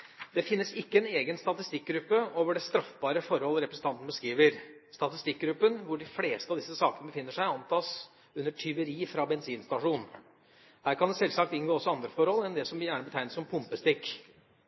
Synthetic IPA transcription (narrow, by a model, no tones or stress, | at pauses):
d̪ɛfɪnːəsɪkːəɛneːɡənst̪ɑt̪ɪst̪ɪk̚ːɡɾʉpːəoːʋəɖɛst̪ɾɑfbɑːɾəfɔɾhɔlːɾɛpɾəsn̩t̪ɑnt̪n̩bəskɾiːʋəɾst̪ɑt̪ɪst̪ɪk̚ːɡɾʉpːənʋʊɖɪfleːst̪əɑʋd̪ɪsːəsɑːkənəbəfɪnːəʂæɪɑnt̪ʰɑːs | ʉnːəʈʰʏʋəɾiːfɾɑbɛnsiːnst̪ɑʂuːn | hæːɾkʰɑnd̪ɛsɛlsɑk̚t̪ɪnɡoːɔsɔɑnd̪ɾəfɔɾhɔlɛnd̪ɛsɔmʋɪjæːɳəbət̪ʰæɪnəsɔmpʰʊmpəst̪ɪkː